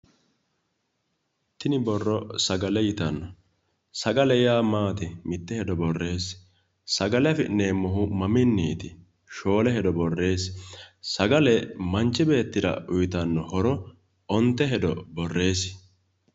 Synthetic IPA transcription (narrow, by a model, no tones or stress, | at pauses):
t̪ɪnɪbɔrːɔsɐɡɐlɛjɪt̪ɐnːɔ | sɐɡɐlɛjaːmaːt̪ɪmɪt̪ːɛhɛd̪ɔbɔrːe̞ːs | sɐɡɐlɛɐfɪneːmːɔɦʊmɐmɪnːiːt̪ɪ | ʃo̞ːlɛhɛd̪ɔbɔrːe̞ːssɐɡɐlɛmɐnt͡ʃːɪbe̞ːt̪ːɪɾɐ̰ʊjt̪ɐnːɔhɔɾɔ | ɔnt̪ːɛɦɛd̪ɔbɔrːe̞ːs